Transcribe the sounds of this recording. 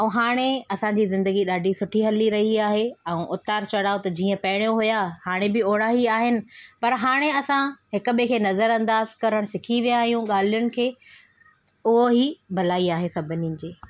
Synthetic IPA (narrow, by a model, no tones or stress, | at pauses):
ɛ̃ɦaːɽ̃eɐsãd͡ʑiːzɪ̃nd̪əɡiɗaːɖʱisʊʈʰiɦɐliɾɐɦiaːɦeɛ̃ːʔʊt̪aːɾt͡ɕɐɽaːot̪ɐd͡ʑiːə̃pɐɦɪɽ̃joɦʊjahaːɽ̃ebɪoːɽaɦiaːɦɪnɪ̆pɐɾɦaːɽ̃eɐsãɦɪkʊ̆ɓekʰeːnɐzəɾɐ̃nd̪aːzkɐɾəɽ̃sɪkʰiʋijaːɦijũɠaːl̤ijʊɽ̃ɪ̆kʰeː | ʊɦoɦibʱɐlaːiaːɦesɐbʱʊninɪ̆d͡ʑeː